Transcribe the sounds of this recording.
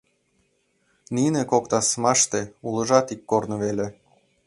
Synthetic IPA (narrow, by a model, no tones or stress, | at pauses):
ninekokt̪ɑsmɑʃt̪eulˠɤ̆ʒɑt̪ikːornɤ̆βele